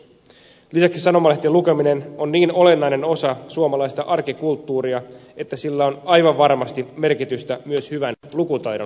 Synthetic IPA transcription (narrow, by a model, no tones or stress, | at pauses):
lisæksisɑno̞mɑlet̪ːelukeminenonːiːno̞le̞nːɑine̞no̞sɑsuomɑlɑjst̪ɑʔɑrkikult̪ːuːɾiɑe̞t̪ːæsilːæo̞nɑjʋɑʋʋɑrmɑst̪ime̞rkit̪yst̪æmyøshyʋænlukut̪ɑjɾo